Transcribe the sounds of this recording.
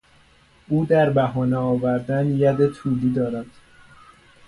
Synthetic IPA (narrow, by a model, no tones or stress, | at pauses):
ʔuːd̪æɾbæɦɒːneɒːvæɾd̪ænjæd̪et̪ʰuːliːd̪ɒːɾæd̪̥